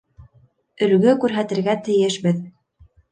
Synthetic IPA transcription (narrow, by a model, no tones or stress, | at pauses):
ɵ̆lɡɵkʉɾɦæt̪ɘ̆ɾɡæt̪ɘ̆jɘʃbɘð